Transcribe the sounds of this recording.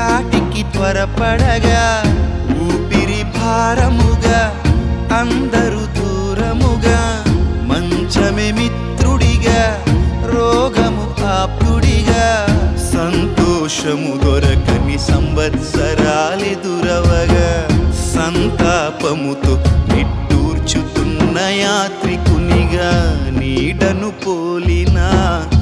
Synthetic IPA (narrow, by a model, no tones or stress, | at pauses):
aːʈikːit̪ʋɐɾɐpɐɽɐɡɐ | uːpiɾibʱaːɾɐmuɡɐ | ɐnd̪ɐɾud̪uːɾɐmuɡɐmɐɲt͡ʃɐmemit̪ɾuɽiɡɐ | ɾɔːɡɐmuhaːpuɽiɡɐsɐnt̪ɔːʂɐmud̪ɔɾɐkɐnisɐmbɐt̪sɐɾaːled̪uɾɐʋɐɡɐsɐnt̪aːpɐmut̪uiʈːuːɾt͡ʃut̪unːɐjaːt̪ɾikuniɡɐniːɖɐnupoːlinɐ